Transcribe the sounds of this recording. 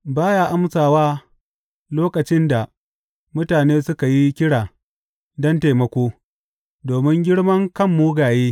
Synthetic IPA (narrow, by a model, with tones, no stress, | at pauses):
baː˦ja˦ʔa˦msaː˨waː˦ | loː˦kɐ˨t͡ʃɪ˦nda˨ | mʊ˦taː˨neː˦sʊ˦ka˨ji˦kʲɪ˦ɽaː˨ | dɐ˦nteː˨mɐ˦kʷoː˦ | doː˨mɪ˦ŋɡʲɪ˦ɽmɐ˦ŋkɐ˦˨mːu˦ɡaː˨jeː˦